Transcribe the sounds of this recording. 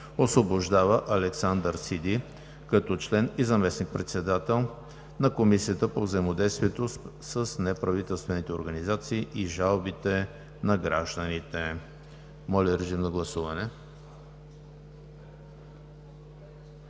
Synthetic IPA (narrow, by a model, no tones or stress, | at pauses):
osvoboʒd̪avəʔɐlɛksand̪əɾsid̪i | kɐt̪ɔt͡ʃlɛnizɐmɛsnik̚pɾɛt̪sɛd̪at̪ɛlˠ | nɐkomisiət̪əpovzəimod̪ɛjst̪viɛt̪ossəsnɛpɾɐvit̪ɛlˠst̪vɛnit̪ɛoɾɡɐnizat̪siːʔiʒalˠbit̪ɛ | nɐɡɾaʒd̪ənit̪ɛ | mɔlʲɛɾɛʒimnɐɡlˠɐsuvɐnɛ